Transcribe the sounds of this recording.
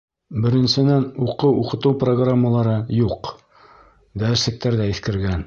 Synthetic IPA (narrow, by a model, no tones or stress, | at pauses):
bɘ̆ɾɘ̆nsɘ̆nænuqɤwuqɤ̆t̪ɤwproɡramːəlˠɑɾɤjuq | d̪æɘ̆ɾsɘ̆k̚t̪æɾðæiθkɘ̆ɾɡæn